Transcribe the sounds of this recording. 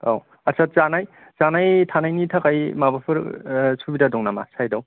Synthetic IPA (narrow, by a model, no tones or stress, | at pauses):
aw | asʰat̚t͡ʃanaj | zanajtʰanajnitʰakajmabapʰɯɾsʰubidadɔŋnama̰sajdaw